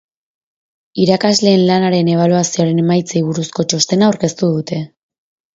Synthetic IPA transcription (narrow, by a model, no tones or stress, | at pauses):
iɾakazle̞ːnlanaɾe̞ne̞β̞aluasioɾe̞ne̞majt͡sejβuɾusko̞t͡ʃo̞st̪e̞naːwɾke̞st̪uðut̪e̞